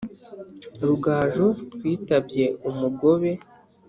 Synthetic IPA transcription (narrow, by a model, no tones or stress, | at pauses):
ɾuɡaːʒoɾwiːtabje̞umuɡo̞βe̞